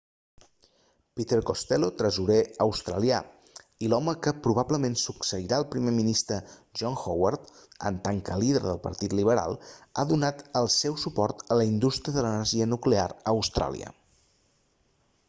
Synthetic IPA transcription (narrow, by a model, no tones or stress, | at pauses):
pit̪eɾkost̪ɛlot̪ɾəzuɾeəwst̪ɾəlia | ilɔməkəpɾuβ̞abləmensuksəiɾaəlˠpɾimeminist̪ɾəʒɔnxowart̪ə̰nt̪aŋkəliðəɾðəlˠpə̰ɾt̪it̪liβ̞əɾa̰lˠa̰ðunat̪əlˠsɛwsupɔrt̪ələind̪ust̪ɾiəðələnəɾʒiənuklea̰ɾəəwst̪ɾʔa̰lˠḭə̰